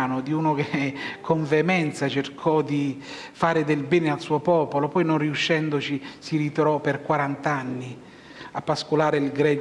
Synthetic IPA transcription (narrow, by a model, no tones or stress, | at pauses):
nʊd̪iuːnokekʰːoɱvɛmɛnt̪sat͡ʃerkʰɔd̪i | faːɾɪd̪elbɛːnɪalsuːopɔːpolopɔjnonriuʃːɛnd̪ʊt͡ʃisiɾit̪ɾɔpɪrkwaɾant̪anːi | apːaskolaːɾɪilɡɾɛ